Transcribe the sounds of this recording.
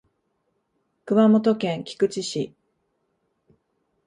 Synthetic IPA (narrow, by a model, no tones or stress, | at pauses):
kɯ̟mamo̞t̪o̞kẽ̞ŋkʲi̥kɯ̟t͡ɕiɕi